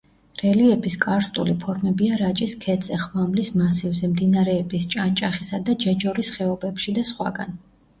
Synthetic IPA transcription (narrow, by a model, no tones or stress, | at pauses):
ɾɛliɛpʰiskʼaɾst̪ʼṵlipʰɔɾmɛbiaɾat͡ʃʼiskʰɛt̪sʼɛχmamlismasivzɛmd̪inaɾɛːbist͡ʃʼant͡ʃʼaχisad̪ad͡ʒɛd͡ʒɔɾisχɛɔbɛpʃid̪asχwa̰ɡa̰n